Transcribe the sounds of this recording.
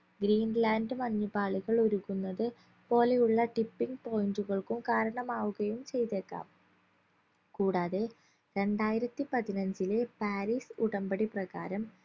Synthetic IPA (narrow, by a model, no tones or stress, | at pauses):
ɡɾiːnlaːndɨmɐɲːubaːɭiɣɐɭo̞ɾuɣunːɐðɨ | po̞ːle̞juɭːɐʈipːiŋɡpo̞ːjinduɣɐɭkumkaːɾɐɳɐmaːʋuɣɐjumt͡ɕe̞jt̪ekːa̰ːm | kuːɽaːðe | ɾe̞ɳɖaːjiɾɐt̪ːipɐðinɐɲd͡ʑilepaːɾiːsuɽɐmbɐɽiprɐɣa̰ːɾɐm